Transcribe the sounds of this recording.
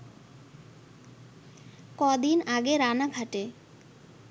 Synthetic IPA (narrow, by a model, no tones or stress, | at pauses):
kɔd̪inaɡeɾanaɡʱaʈe